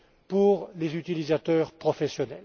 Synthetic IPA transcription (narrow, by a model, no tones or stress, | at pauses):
puʁlezyt̪ilizat̪œːʁpχɔfɛsjɔnɛl